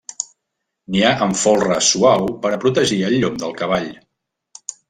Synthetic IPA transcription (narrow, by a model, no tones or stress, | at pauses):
niaʔəɱfolˠrəsuawpəɾəpɾut̪əʒiəlːomd̪əlˠkəβaʎ